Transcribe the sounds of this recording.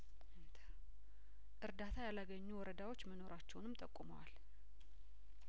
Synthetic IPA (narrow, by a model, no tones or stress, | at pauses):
t̪ʰ | ʔɨɾd̪at̪ʰajalaɡəɲːuwɔɾəd̪awo̞t͡ʃːməno̞ɾat͡ʃːɛwnɨmt̪ʼəkʼːumə̰wa̰l